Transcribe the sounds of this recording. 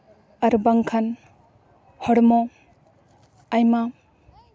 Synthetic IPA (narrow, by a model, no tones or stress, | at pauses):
aɾbaŋkʰan | hɔɽmɔ | jma